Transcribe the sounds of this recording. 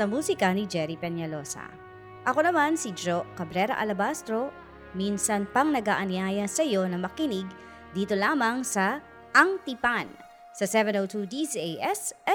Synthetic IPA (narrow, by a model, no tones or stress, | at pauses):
sɐmuːsɪkɐnid͡ʒɛɾipɛnɐlo̞sɐ̰ | ʔɐko̞nɐmansid͡ʒoʔkɐbɾɛɾɐ̰ʔɐ̰lɐbast̪ɾo̞ | minsɐnpɐŋnɐɡaːʔɐnɪaːjɐnsɐjo̞nɐmɐkɪniɡ | d̪iːt̪o̞laːmɐŋsɐ | ʔɐŋt̪ipan | sɐsɛvɛnowt̪ud̪isejʔɛsɛ